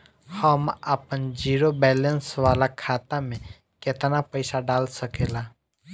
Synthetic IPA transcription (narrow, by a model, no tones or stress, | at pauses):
həməpənd͡ʒiːɾobɛːlə̃nsʋaːlakʰaːt̪amẽ | kɪt̪napəɪsaɖaːlsəkeːlaː